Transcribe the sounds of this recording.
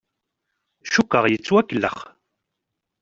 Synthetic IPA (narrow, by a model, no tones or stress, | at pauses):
ʃukːəʁjət͡sːwækːəlːə̰χ